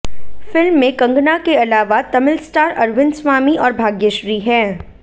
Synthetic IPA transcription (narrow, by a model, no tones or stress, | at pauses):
fɪlmːẽkɐ̃ŋɡnakeɐlaːʋat̪ɐmɪlsʈaːɾɐɾʋɪ̃nsʋaːmiʔɔːɾbʱaːɡjəʃɾiɦɛ̃ː